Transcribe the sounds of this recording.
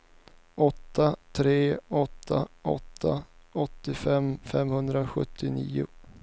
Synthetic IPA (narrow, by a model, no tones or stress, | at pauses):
ɔt̪ːat̪ʰɾeːɔt̪ʰːaɔ̰t̪ʰːaɔt̪ːɪfɛmːfɛmhɵnd̪ɾaɧɵt̪ʰːɪnḭːʊ̰